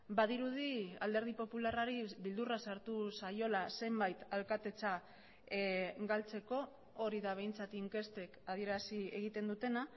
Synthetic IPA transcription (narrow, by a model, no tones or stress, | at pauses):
bað̞iɾuð̞ia̰ld̪e̞ɾð̞ipo̞pularaɾiβild̪urasaɾt̪usajo̞lase̞mbajt̪alkat̪e̞t͡sa | ɡalt͡se̞ko̞ː | ɾiðaβ̞e̞jnt͡sat̪iŋke̞st̪e̞kað̞ie̞ɾasie̞ɣ̞it̪e̞nd̪ut̪e̞na